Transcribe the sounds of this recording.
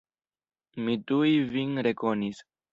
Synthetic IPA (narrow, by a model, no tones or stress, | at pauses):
mitujvinɾe̞ko̞nis